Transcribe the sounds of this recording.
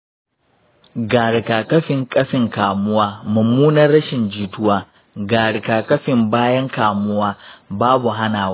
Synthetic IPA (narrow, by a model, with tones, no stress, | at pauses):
ɡaː˨ɽɪ˨kaː˨kɐ˦ɸɪ˨ŋkʼɐ˦ɸɪ˨ŋkaː˨mʊ˦waː˦mʊ˨mːuː˦nɐ˦rːɐ˦ʃɪ˨nd͡ʒiː˨tʊ˦waː˦ | ɡaː˨ɽɪ˨kaː˨kɐ˦ɸɪ˨mbaː˦jɐ˦ŋkaː˨mʊ˦waː˦baː˦bu˨ɦa˦naː˨w